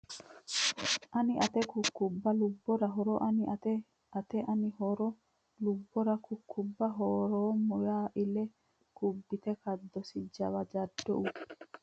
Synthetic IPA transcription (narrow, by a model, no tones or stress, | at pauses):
ʔɐnɪʔɐt̪ɛkʊkːʊbːɐlʊbːɔɾɐɦɔɾɔʔɐnɪɐt̪ɛ | ɐt̪ɛʔɐnɪɦɔɾɔ | lʊbːɔɾɐkʊkʰːʊbːɐɦɔːɾoːmʊjaːʔɪlɛ | kʊbːɪt̪ɛkɐd̪ːɔsɪd͡ʒɐβɐd͡ʒɐd̪ːɔ̰ʔʊ